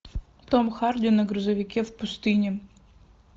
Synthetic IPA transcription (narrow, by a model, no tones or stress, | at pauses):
t̪omxard̪ʲɪnɐɡɾuzɐvʲɪkʲefpust̪ɨnʲɪ